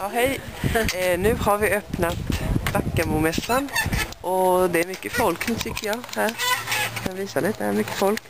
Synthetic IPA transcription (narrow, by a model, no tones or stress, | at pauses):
ohɛɪ | nʉːhɑɾʋɪœpnɑt̪d̪akːəmumɛsɑnʔɔd̪ɛæɾmʏkːəfɔlk̪lt̪ʰʏkːəjɑhæːɾkʰɑnʋiːsalɪt̪̚d̪ɛɛɾmʏkːəfɔlk